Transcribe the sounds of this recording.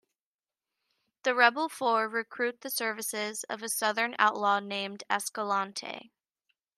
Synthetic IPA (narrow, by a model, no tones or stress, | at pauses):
ðɨɹɛbl̩ˠfɔɹɹɨkʰɹ̥ʉt̪̚ðɨsɜ˞vɨsɪzʌ̰vɨsʌðə̃˞na̰ʊʔˡlɔnẽɪ̃mdɛskəlɑ̃ntʰḛɪ